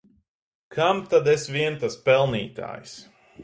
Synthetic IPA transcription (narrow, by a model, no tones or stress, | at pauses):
kʰamt̪ad̪ɛsviɛnt̪aspɛlˠniːt̪a̰ːjs